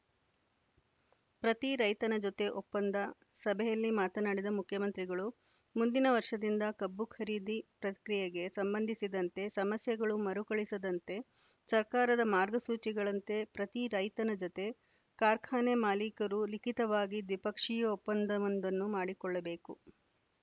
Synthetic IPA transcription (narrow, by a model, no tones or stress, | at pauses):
pɾɐt̪iɾɐjt̪ɐnɐd͡ʒɔt̪e̞ʔɔpːɐnd̪ɐ | sɐbʱɛjɐlːimaːt̪ɐnaːɽid̪ɐmukʰjɐmɐnt̪ɾiɡɐɭu | mund̪inɐʋɐɾʂɐd̪ind̪ɐkɐbːukʰɐɾiːd̪ipɾɐt̪i̥kɾijɐɡe̞sɐmbɐnd̪ʱisid̪ɐnt̪e̞sɐmɐsjɐɡɐɭumɐɾukɐɭisɐd̪ɐnt̪e̞ | sɐɾkaːɾɐd̪ɐmaːɾɡɐsuːt͡ʃiɡɐɭɐnt̪e̞pɾɐt̪iɾɐjt̪ɐnɐd͡ʒɔt̪e̞ | kaːɾkʰaːnemaːlikɐɾulikit̪ɐʋaːɡid̪ʋipɐkʂijɐɔpːɐnd̪ɐʋɐnd̪ɐnːumaːɽikɔɭːɐbe̞ːku